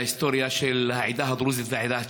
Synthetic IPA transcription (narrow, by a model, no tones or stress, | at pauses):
ɪst̪oːɾjaʃelhaʕɪd̪ahd̪ɾuːzɪzaʕɪd̪aː